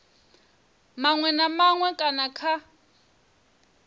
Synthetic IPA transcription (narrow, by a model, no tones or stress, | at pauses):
maŋwɛnamaŋwɛkʼanakʰa